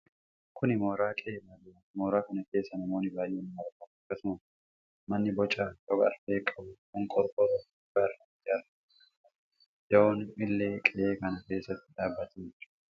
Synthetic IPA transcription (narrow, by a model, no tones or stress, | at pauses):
kʰʊnɪmo̞ːɾaːkʼeːbaːd̪ʊɾɐmoːɾaːkɐnɐke̞ːsːɐnɐmo̞ːnɪbaːjʔeːnmɐɾkɐfkːɐsʊmɐ | mɐnːɪbɔt͡ʃʼːaːjɔɡɐ̰ɾfeːkʼːɐbʊkʊŋkʼɔɾkʼɔɾɐ | ɡɐɾɐ | ɪɐɾ | dɐoːnʔɪlːeːkʼɛʔeːkɐnɐke̞ːsːɐt̪ːɪᶑaːbːɐt̪ʰe̥